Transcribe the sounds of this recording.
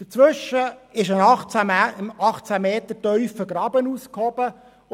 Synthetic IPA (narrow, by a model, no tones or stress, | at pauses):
d̥ət͡sʋʏʃəɪʃənɑχt͡sæɑχt͡sæmeːt̪ətœʏfəɡ̥rɑbənuːskhɔbə